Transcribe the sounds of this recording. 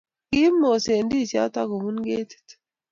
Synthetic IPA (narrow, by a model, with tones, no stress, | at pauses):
ki˦mːo˨se˨ndi˦˨sja̰˦t̪a˦ko˨mu˦nɡeː˦t̪i̥˨t̪